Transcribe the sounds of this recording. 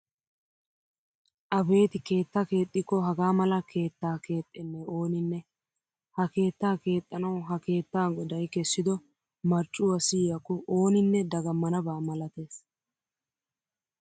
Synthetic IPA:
ʔɐbe̞ːt̪ɪke̞ːt̪ːɐke̞ːt̪ʼːɪkːɔɦɐɡaːmɐlɐkʰe̞ːt̪ːaːke̞ːt̪ʼːɛnːɛo̞ːnɪnːɛ | hɐke̞ːt̪ːaːke̞ːt̪ʼːɐnɐwɦɐke̞ːt̪ːaːɡɔd̪ɐjkɛsːɪd̪ɔ | mɐɾt͡ʃʼʊwɐsɪjɐkːɔʔoːnɪnːɛd̪ɐɡɐmːɐnɐbaːmɐlɐt̪e̞ːs

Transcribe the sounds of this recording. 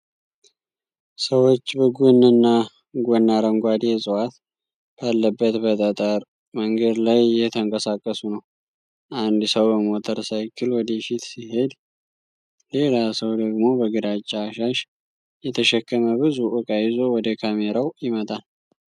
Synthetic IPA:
səwo̞t͡ʃːbəɡonːɨnːa | ɡonːaɾəŋɡʷad̪jɛsʼɨwat̪ | b̥alːəbːət̪bət̪ʼət̪ʼəɾ | məŋɡəd̪lajːɛt̪ʰəŋkʼəsakʼːəsunəw | ʔand̪səwbəmot̪ʰəɾsajɪkʰːɨlwɔd̪efit̪siɦe̞d̪ | le̞lasəwd̪əɡmo̞bəɡɨd̪at͡ʃʼːaːʃaʃ | jɛt̪ʰəʃɛkʰːəməbɨzuʔɨkʼajɪzo̞wɔd̪əkʰameɾawjɪmət̪ʼal

